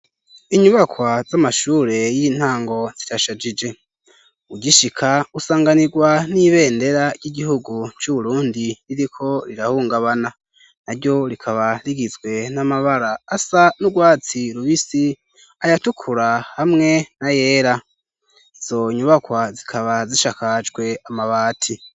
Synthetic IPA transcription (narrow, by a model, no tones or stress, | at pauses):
iɲuβakwazamaʃuːɾe̞jiːn̥haːŋɡo̞z̥itaʃad͡ʒid͡ʒe̞ | uɟiʃikʰausaːŋɡaniɡwaniβe̞ːnde̞ɾaɾɟiɟiɦuɡut͡ʃuβuɾuːndiɾiɾikʰo̞ɾiɾahuːŋɡaβana | naɾjo̞ɾikʰaβaɾiɡizɡwe̞namaβaɾaːsanuɡwaːt͡siɾuβisi | ajatukʰuɾahamŋe̞naje̞ːɾa | iz̥o̞ɲuβakwazikʰaβaziʃakad͡ʒɡwe̞amaβaːtʰi